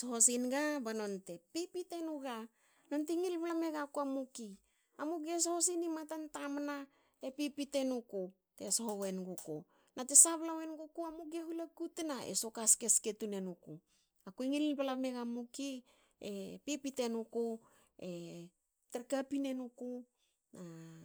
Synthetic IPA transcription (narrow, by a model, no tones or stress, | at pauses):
sohosinɡabano̞nte̞pipite̞nuɡa | no̞ntiŋilβalame̞ɡakuamuki | amukes̬ohos̬inimatantamna | epipite̞nuko | tesoɦowe̞nɡoko̰ | nate̞saβlawenɡokoamuk̬eɦulakutenaḛso̞kaske̞ske̞tune̞nuko | akuiŋillbalame̞ɡamuki | epipite̞nuko | e | teɾkapine̞nuko | na